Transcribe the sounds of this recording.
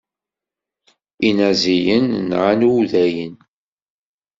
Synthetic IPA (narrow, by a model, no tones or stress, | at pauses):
inæzijənːʕanuwðæjən